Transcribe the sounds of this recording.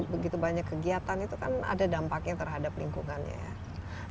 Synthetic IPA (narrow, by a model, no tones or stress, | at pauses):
bəɡit̪ubaɲakːəɡiat̪anit̪ukana̰dadampak̚ɲat̪ərɦadaplḭŋkuŋanɲa̰ja̰